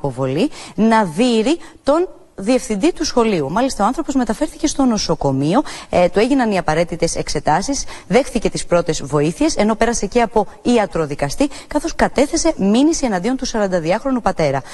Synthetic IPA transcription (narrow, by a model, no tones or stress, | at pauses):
po̞vo̞linɐðiɾit̪o̞n | ðie̞fθind̪it̪usxo̞liumɐlist̪ɐoɐnθɾo̞po̞zme̞t̪ɐfe̞ɾθice̞st̪o̞no̞so̞ko̞mio̞t̪ue̞ʝinɐniɐpɐɾe̞t̪it̪e̞se̞kse̞t̪ɐsisðe̞xθice̞t̪ispɾo̞t̪e̞zvo̞iθie̞se̞no̞pe̞ɾɐse̞ceɐpo̞iɐt̪ɾo̞ðikɐst̪ikɐθo̞skɐt̪e̞θe̞se̞minisie̞nɐnd̪io̞nt̪usɐɾɐnd̪ɐðiɐxɾo̞nupɐt̪e̞ɾɐ